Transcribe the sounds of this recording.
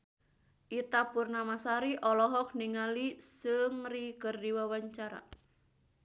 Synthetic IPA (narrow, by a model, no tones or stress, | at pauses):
ʔit̪apurnamasaɾiʔɔlɔɦɔk̚niŋalisəŋrikərdiwawaɲt͡ʃaɾa̰